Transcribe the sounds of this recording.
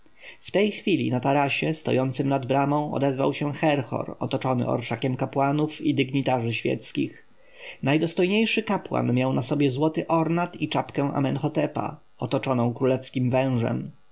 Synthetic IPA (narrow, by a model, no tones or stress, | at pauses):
ft̪ɛjxfʲilʲḭnat̪aɾaɕɛst̪ɔ̰jɔnt̪sɘmnad̪bɾamɔ̃w̃ɔ̰d̪ɛzva̰wɕɛxɛɾxɔ̰ɾɔ̰t̪ɔt͡ʂɔnɘ̰ʔɔ̰ɾʂakʲɛmkapwanufid̪ɘɡɲit̪aʐɘɕfʲjɛ̰t̪skʲix | najd̪ɔst̪ɔjɲejʂɘkapwa̰nmʲjawnasɔbʲjɛzwɔt̪ɘʔɔɾnat̪it͡ʂapkɛ̃ʔa̰mɛnxɔt̪ɛpa̰ | ɔt̪ɔt͡ʂɔnɔ̃w̃kɾulɛfskʲimvɛ̃w̃ʐɛ̰m